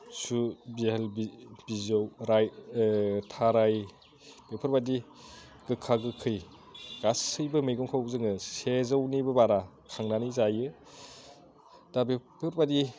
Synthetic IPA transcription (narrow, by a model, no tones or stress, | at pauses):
subihalib̥izawɾaj | tʰaɾaj | b̥epʰɯɾbadi | ɡ̥ɯkʰaɡɯkʰɯj | ɡ̥asɯjbɯmɯjɡɔŋkʰawzɯŋɯsezawnibɐbaɾa | kʰaŋnanizajɯ | d̥abepʰɯɾbadi